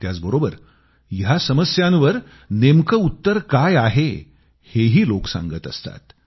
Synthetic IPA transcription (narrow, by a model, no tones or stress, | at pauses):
t̪jat͡sbəɾobəɾ | jjasəməsjãnʋəɾ | nemkəut̪ːəɾkajaɦe | heɦiːloksã̰ŋɡət̪ə̰st̪a̰t̪